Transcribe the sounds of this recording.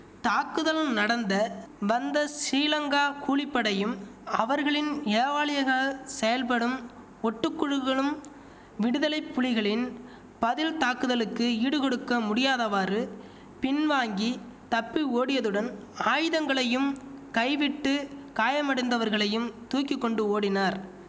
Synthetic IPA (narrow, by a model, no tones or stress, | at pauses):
t̪aːkɯðɐlnɐɽɐnd̪ɐʋɐnd̪ɐsiːlɐŋɡaːkuːɭɪpːɐɽɐjɯmɐʋɐɾɣɐɭɪneːʋaːlɪjɐɣɐsɛjɐlpɐɽɯm | ɔʈːɯkːʊɻɯɣɐɭɯm | ʋɪɽɯðɐlɐɪpːʊɭɪɣɐɭɪn | pɐðɪlt̪aːkɯðɐlɯkːɯiːɽɯkɔɽɯkːɐmʊɽɪjaːðɐʋaːɾɯ | pɪnʋaːŋɡi | t̪ɐpːioːɽɪjɐðɯɽɐnaːjɯðɐŋɡɐɭɐjɯmkɐɪʋɪʈːɯkaːjɐmɐɽɐnd̪ɐʋɐɾɣɐɭɐjɯmt̪uːkːɪkːɔɳɖɯoːɽɪnaːɾ